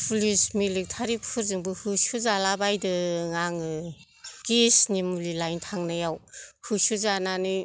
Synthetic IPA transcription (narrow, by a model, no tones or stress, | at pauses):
pʰlismilik̚tʰaɾikpʰuɾzɯŋbɯhɯsuzalabajdɯŋaŋɯ | kesnimulilajntʰaŋnajawhɯsuzananɯ